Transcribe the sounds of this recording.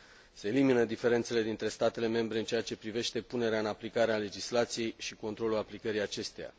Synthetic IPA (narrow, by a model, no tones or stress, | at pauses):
se̞ːliminəd̪ife̞ɾe̞nt̪sele̞d̪int̪ɾe̞st̪at̪e̞le̞me̞mbɾeɨnt͡ʃe̞jat͡ʃe̞pɾive̞ʃt̪e̞pune̞ɾeaɨnaplikaɾeale̞d͡ʒislat̪sije̞jʃiko̞nt̪ɾo̞lulaplikəɾijat͡ʃe̞st̪eja̰